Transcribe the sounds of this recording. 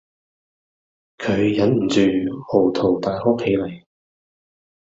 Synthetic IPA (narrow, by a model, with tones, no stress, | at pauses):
kʰɵ˨˧ɥjɐ˨˥nm̩˨˩t͡ʃyː˨ho˨˩wt̪ʰo˨˩wt̪aː˨jho˥kʰe˨˧jlɐ˨˩j